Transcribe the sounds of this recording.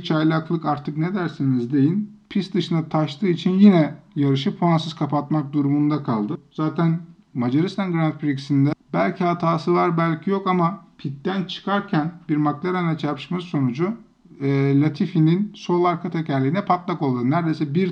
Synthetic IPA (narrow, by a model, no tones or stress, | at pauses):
t͡ʃʰajlʲaklˠɯkaɾt̪ʰɯkned̪æɾsinizd̪e̞jinpʰisd̪ɯʃɯnat̪ʰaʃt̪ʰɯːit͡ʃʰinjinɛjaɾɯʃɯpʰoansɯz̥kʰapat̪mak̚d̪uɾumund̪akʰalˠd̪ɯz̥aːt̪ʰæn | mad͡ʒaɾist̪anɡɾant̪bɾiksind̪ɛbælʲcʰihat̪ʰaːsɯvaɾbælʲcʰijo̞kamapʰit̪ːænt͡ʃʰɯ̥kʰaɾcʰænbiɾmaklʲˠaɾannɛt͡ʃʰaɾpʃmasso̞nud͡ʒu | lʲat̪ʰifininso̞lˠaɾkʰat̪ʰecʰæɾlʲiːinɛpʰat̪lˠako̞lˠd̪ɯnæɾd̪e̞jsɛbiɾ